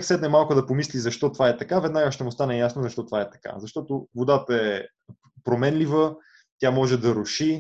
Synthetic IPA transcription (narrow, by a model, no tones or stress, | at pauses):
ksɛd̪nɛmalˠkʊd̪ɐpomislizɐʃt̪ɔt̪ovaɛt̪ɐkavɛd̪naɡəʃt̪ɛmʊst̪anɛjasnozɐʃt̪ɔt̪ovaɛt̪ɐ̥ka̰zɐʃt̪ɔt̪ovod̪at̪əɛ | pɾomɛnlivə | t̪jamɔʒɛd̪ɐɾʊʃi